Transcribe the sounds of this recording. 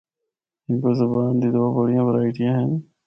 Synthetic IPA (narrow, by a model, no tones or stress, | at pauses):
ɦɪ̃ːkoːzəbaːnd̪iːd̪ʊʋaːbəɽ̤ijãːʋəɾaːiːʈ̪ʰɪjãːɦən